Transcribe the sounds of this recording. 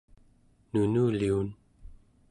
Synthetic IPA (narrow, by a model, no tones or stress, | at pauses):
nunuːliun